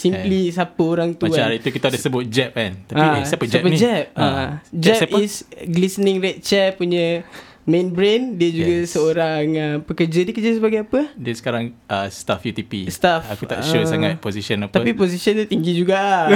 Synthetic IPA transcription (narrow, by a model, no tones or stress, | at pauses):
simplis̬apəoɾaŋt̪uaaɾit̪ukit̪adasəbʊt̪̚d͡ʒɛp̚kant̪aaapəsaɛpəd͡ʒɛp̚ad͡ʒɛisɡlisənɪ̃ŋɾɛt̪̚t͡ʃɛpuɲə̃ | mẽnbɾendiəd͡ʒuɡəsəoɾaŋəpəkəd͡ʒədikəd͡ʒas̬əbaɡajapədiəsə̥kaɾaŋəst̪afjut̪ipḭst̪afakua̰ʔʃosaŋat̪̚posisənap̪apiposisənt̪ut̪iŋɡid͡ʒuɡa